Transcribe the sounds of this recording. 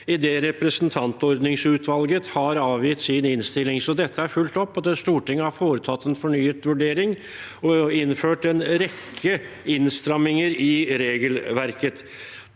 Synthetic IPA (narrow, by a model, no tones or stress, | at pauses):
ɪd̪eːɾɛpɾəsənt̪ʰɑnt̪ɔɾd̪nɪŋsʉːt̪ʰʋɑlɡət̪hɑɾɑːʋjiːt̪siːnɪnst̪ɪlːɪŋsɔd̪ɛt̪ʰːəæɾfʉlt̪ɔpːɑt̪ːɛst̪uːʈɪŋːəhɑɾfoːɾət̪ʰɑt̪ːɛnfɔɳyːət̪ʋʉɖeːɾɪŋ | ɔɪnːføːʈɛnɾɛkʰːə | ɪnst̪ɾɑmːɪŋəɾɪɾeːɡəlʋæɾkət̪